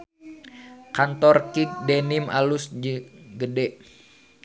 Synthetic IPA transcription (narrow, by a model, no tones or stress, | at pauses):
kant̪ɔrkik̚denimʔa̰lusd͡ʒɡədɛʔ